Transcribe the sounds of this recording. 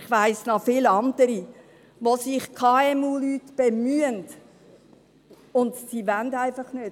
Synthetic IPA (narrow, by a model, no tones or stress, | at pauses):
χʋæɪsnɑfɪlɑndəɾi | ʋosɪχkʰɑːɛmuːlyːtb̥emyənt | ʊndsiʋændæɪfɑχnøː